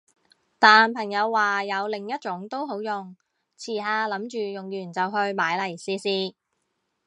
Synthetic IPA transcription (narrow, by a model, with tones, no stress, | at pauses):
t̪aː˨npʰɐ˨˩ŋjɐ˨˧wːaː˨˩jɐ˨˧wlɪ˨˩ŋjɐ˥t̚t͡ʃʊ˨˥ŋt̪o˥wɦo˨˥wjʊ˨ŋ | t͡sʰiː˨˩ɦaː˧lɐ˨˥mt͡ʃyː˨jʊ˨ŋjyː˨˩nt͡sɐ˨wɦɵ˧ɥmaː˨˥jlɐ˨˩jsiː˨˧siː˧